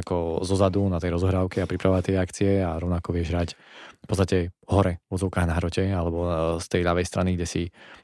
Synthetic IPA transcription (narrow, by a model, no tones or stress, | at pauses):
kɔzɔzad̪unat̪ɛjɾɔzɔɦɾaːʊkɛapɾipɾaʋɔʋat̪ɪɛakt͡siɛaɾɔʋnakɔʋɪɛʒɦɾacfpɔtt͡st̪acɛɦɔɾɛvɔd͡zɔʊkaːɣnaɦɾɔcɛalɛbɔst̪ɛjʎaʋɛjst̪ɾʔaniɡɟɛsi